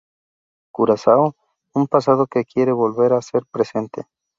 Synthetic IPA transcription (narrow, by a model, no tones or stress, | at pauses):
kuɾasaw | umpasað̞oke̞kje̞ɾe̞βo̞lβe̞ɾase̞ɾpɾe̞se̞nt̪e̞̰